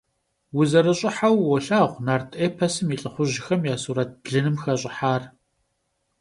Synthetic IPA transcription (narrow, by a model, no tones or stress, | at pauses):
wʊzɐɾɨɕʼɪħawːɔɬaːʁʷnaːrtʰʼeːpʰɐsɨmiːɬʼɨχʷʊʑɪxɐmjaːsuːɾɐt̚bɮɨnɨmxɐɕʼɪħaːr